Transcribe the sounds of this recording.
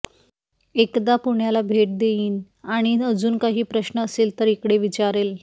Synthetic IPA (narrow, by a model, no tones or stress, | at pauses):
ekd̪apuɳjalabʱeʈ̚d̪eiːn | aɽ̃iəd͡zuːnkaɦiːpɾəɕnəːseːlt̪əɾikɽeʋit͡ɕaɾel